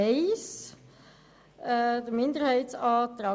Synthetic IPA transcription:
ɛɪs | dəmɪnd̪əɾhɛɪtsɑːt̪ɾɑ

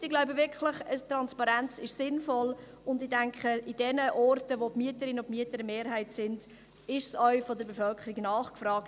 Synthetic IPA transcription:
ɪɡ̥laʊbəvɪɾkχləχəstɾɑnspɑɾænt͡sɪʃsɪnfɔl | ʊndɪdæŋkχəid̥ɛnəʔɔrtəʋopmyətəɾɪnʊpmyətəɾmeːɾɦæɪtsɪnd̥ | ɪʃsœʏfɔdəɾbefœlkʰəɾiɡnɑːχkfɾɑːkt

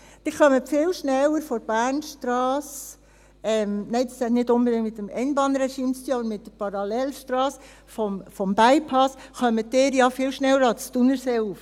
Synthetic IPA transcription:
d̥ɪχœməfɪːlʃnɛləɾfɔɾb̥æːɾnʃtɾɑːs | ɛmnɛɪdɑsɛt̪nɪtʊnbədɪŋtmɪt̪əmɛɪnbɑnɾɛʃiːmst̪yːɑbəɾmɪtdəpʰɑɾɑlɛlʃtɾɑːs | fɔmfɔmbæɪpʰɑsχœmədɪːɾjɑfɪlʃnɛləɾɑstunəɾseːuːf

